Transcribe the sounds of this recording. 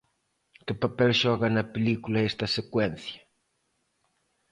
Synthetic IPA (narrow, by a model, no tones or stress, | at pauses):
kɪpapɛlʃɔɣɐnɐpelikulɐɛst̪ɐsekwɛnθjɐ